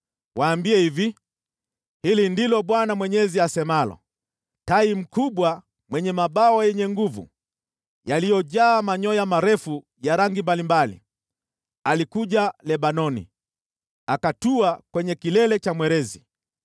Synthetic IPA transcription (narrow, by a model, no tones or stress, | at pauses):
waːmbiɛhivi | hilindilɔɓwanamwɛɲɛziasɛmalɔ̰ | taim̩kuɓwa | mwɛɲɛmaɓaɔjɛɲɛŋɡuvṵ | jalijɔʄaːmaɲɔjamaɾɛfu | jaɾaŋɡimbalimbalḭ | alikuʄalɛɓanɔnḭ | akatuakwɛɲɛkilɛlɛt͡ʃamwɛɾɛzi